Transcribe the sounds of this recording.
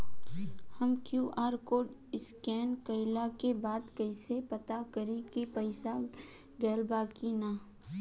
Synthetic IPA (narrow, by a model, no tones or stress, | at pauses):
həmkjuːʔaːɾkoːɖɪskɛːnkəɪlakebaːd̪kəɪsepɐt̪akəɾekipəɪsa | ɡɛːlbaːkinaː